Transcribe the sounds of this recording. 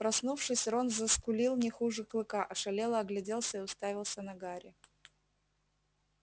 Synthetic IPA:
pɾɐsnufʂɨsʲɾonzəskʊlʲilˠnʲɪxuʐɨklˠɨkaʔɐʂɐlʲelˠəɐɡlʲɪdʲe̞lˠsʲəɪʊst̪avʲɪlˠsʲənɐɡaɾʲɪ

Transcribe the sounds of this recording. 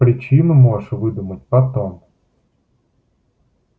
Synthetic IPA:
pɾʲɪt͡ɕinɨmoʂvɨd̪umət̚ʲpɐt̪om

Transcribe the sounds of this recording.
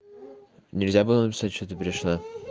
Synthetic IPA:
nʲɪlʲzʲabɨlˠənəp̬ʲɪ̥satʲʂt̪ot̪əpʲɾʲɪʂna

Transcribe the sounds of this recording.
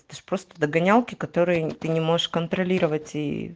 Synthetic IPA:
t̪əʂpɾo̞st̪əd̪əɡɐnʲalˠkʲɪkɐt̪o̞ɾɨjət̪ɨnʲɪmo̞ʐɨʂkənt̪ɾɐlʲiɾəvətʲḭ

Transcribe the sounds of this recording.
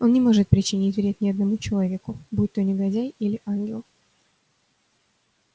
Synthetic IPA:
o̞nnʲɪmo̞ʐɨt̪̚pɾʲɪt͡ɕɪnʲitʲvʲɾʲet̚ʲnʲɪɐd̪nɐmut͡ɕɪlˠɐvʲe̞kʊbut̚ʲt̪onʲɪɡɐdʲæjilʲɪʔanɡʲɪlˠ

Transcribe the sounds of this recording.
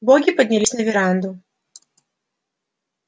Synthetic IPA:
bɔɡʲipɐd̪ʲnʲɛlʲɪsnʲɛvʲiɾand̪u

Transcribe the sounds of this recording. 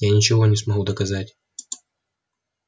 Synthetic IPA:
janʲɪt͡ɕɪvo̞nʲɪsmɐɣud̪əkɐzatʲ

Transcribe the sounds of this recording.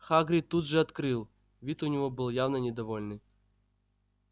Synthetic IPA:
xaɡɾʲɪt̪ud̪ʐɨɐt̪kɾɨlˠ | vʲit̪ʊnʲɪvobɨlˠjavnənʲɪd̪ɐvolʲnɨ

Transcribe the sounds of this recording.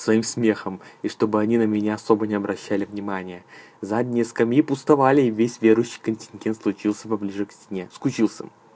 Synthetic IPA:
svɐimsmʲe̞xəmiʂt̪o̞bɨɐnʲinəmʲɪnʲaɐso̞bənʲɪɐbɾʔɐɕːalʲɪvnʲɪmanʲɪjə | zadʲnʲɪjəskɐmʲjipʊst̪ɐvalʲɪːvʲesʲvʲe̞ɾʊjʉɕːi̥jkənʲtʲɪnʲɡʲe̞nt̪slˠʊt͡ɕilˠsʲəpɐblʲiʐɨksʲt̪ʲɪnʲe̞skʊt͡ɕilˠsʲə̰

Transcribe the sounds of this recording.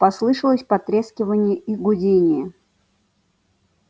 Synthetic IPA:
pɐslˠɨʂəlˠəsʲpɐt̪ɾʲeskʲɪvənʲɪjəiɡʊdʲenʲɪjə

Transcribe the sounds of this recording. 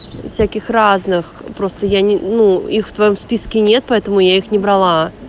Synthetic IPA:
fsʲakʲɪxraznɨx | pɾo̞st̪əjanʲɪnuixft̪vɐjo̞mspʲiskʲɪnʲet̪̚pɐɛt̪əmʊjaixnʲɪbɾɐlˠa

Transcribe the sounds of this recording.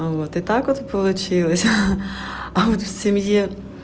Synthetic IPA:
ot̪ɪt̪ɑkɔt̪pɔlˠʊt͡ʃɪlˠɐsʲɐ | ɐɔt̪w̥sʲimji

